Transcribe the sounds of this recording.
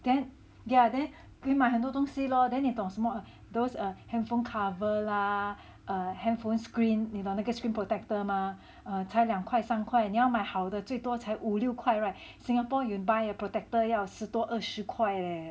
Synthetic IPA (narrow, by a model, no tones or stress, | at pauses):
d̥ɛ̃n | jadɛ̃n | kimaɦɛ̃nt̪̬ɔt̪ɔ̃ŋsilɔdɛ̃nit̪ɔ̃ŋsmɔə | dosəhɛ̃nfõnkʰavəla | ʔəhɛ̃nfõnskɹĩnnitɔ̃ndaɡəskɹĩnpʰɹotɛk̚təma | ət͡ʃʰajljãŋkʰwajsãŋkʰwajɛ̃njawmajhawdət͡swet̪wɔt͡ʃʰajʔuliʊkʰwajɹajt̚sĩŋhapɔjunbajəpɹotɛk̚təjawsɨt̪wɔʔəʃukʰwajlɛ